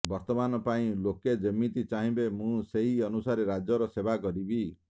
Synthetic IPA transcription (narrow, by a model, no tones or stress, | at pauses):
bɔɾt̪ɔmanɔpaĩloked͡ʒɔmːit̪it͡ʃaɦĩbemũseɦiɔnusaɾeɾad͡ʒjɔɾɔsebakɔɾibi